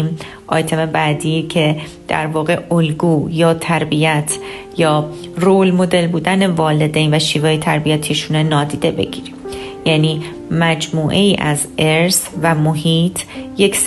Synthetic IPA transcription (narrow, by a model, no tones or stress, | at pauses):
m | ʔɒ̰ːjt̪ʰe̞mebæːd̪iːcʰe̞ | d̪̥æ̰ɾvɒːɣe̞ʔolɡuːjɒːt̪ʰæɾbijæt̪ʰ | jɒː | roːlmo̞d̪elbuːd̪æne̞vɒːle̞d̪ejnvæʃiːvɛːjet̪ʰæɾbijæt̪ʰiʃunenɒːd̪iːd̪e̞be̞̰ɡiːɾimjæːniː | mæd͡ʒmuːʔe̞jiːʔæz | eɾsvæmoɦiːt̪ʰjecs